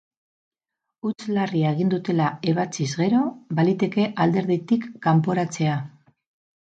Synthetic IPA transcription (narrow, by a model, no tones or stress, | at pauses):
ut͡slariaeɣ̞ind̪ut̪e̞lae̞β̞at͡sizɣe̞ɾo̞balit̪e̞ke̞ʔald̪e̞ɾðit̪ikːampoɾat͡se̞a